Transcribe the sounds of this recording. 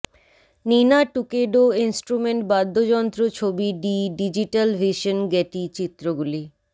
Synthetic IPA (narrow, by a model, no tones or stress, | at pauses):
ninaʈukeɖoinsʈɾumeɳʈbad̪ʱːod͡ʑɔnt̪ɾot͡ɕʰobiɖiɖid͡ʑiʈalvʱiʃonɡɛʈit͡ɕit̪ːɾoɡuli